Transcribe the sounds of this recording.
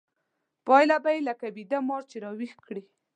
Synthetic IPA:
pɑjlabajelakabid̪amɑɾt͡ʃeɾɑwixkɽi

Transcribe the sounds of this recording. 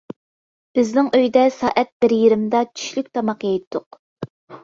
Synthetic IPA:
b̥ɪznɪŋøjd̪ɛsɑːʔɛt̪̚b̥ɪɾjiɾɪmd̪ɑt͡ʃʰy̥ʃlykʲt̪ʰɑmɑqjejt̪ʰːʊq

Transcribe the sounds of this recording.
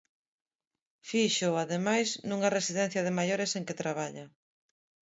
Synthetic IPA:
fiʃʊaðemajznuŋɐresiðɛn̟θjɐðɪmajoɾeseŋket̪ɾaβ̞aʎa

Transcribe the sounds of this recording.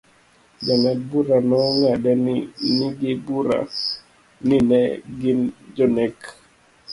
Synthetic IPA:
d͡ʒaŋad̚buɾanɔŋadɛniniɡibuɾa̰ | ninɛɡɪnd͡ʒɔnɛk

